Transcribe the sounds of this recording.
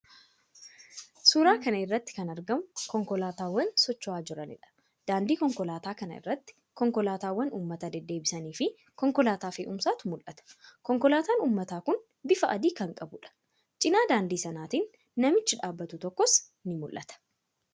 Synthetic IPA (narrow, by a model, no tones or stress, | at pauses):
suːɾaːkɐnɐɪrːɐt̪ːɪ̥kɐnɐɾɡɐmʊkɔŋkɔlaːt̪aːwːɐnsɔt͡ʃːɔaːd͡ʒɪɾɐnɪ̰ᶑɐ̥ | d̪̥aːnd̪iːkɔŋkɔlaːt̪aːkɐnɐɪ̰rːɐt̪ːɪ̥ | kɔŋkɔlaːt̪aːwːɐnṵːmːɐt̪ɐd̪ɛd̪ːe̞ːbɪsɐniːfɪ | kɔŋkɔlaːt̪aːfɪ̰ʔʊmsaːt̪ʊmʊlʔɐt̪ɐ̥kɔŋkɔlaːt̪aːnuːmːɐt̪aːkʊn | bɪfɐʔɐd̪iːkɐŋkʼɐbʊᶑɐ̥ | t͡ʃʼɪnaːd̪aːnd̪iːsɐnaːt̪iːnː | ɐmɪt͡ʃːɪᶑaːbːɐt̪ʊt̪ɔkːɔs | nɪmʊlʔːɐt̪ɐ̥